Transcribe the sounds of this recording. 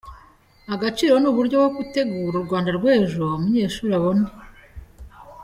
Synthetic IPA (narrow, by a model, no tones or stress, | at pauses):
aɡat͡ʃiːɾo̞nuβuɾɟo̞wokute̞ɡuːɾuɾɡwaːndaɾɡweːʒomuɲe̞ːʃuːɾaβone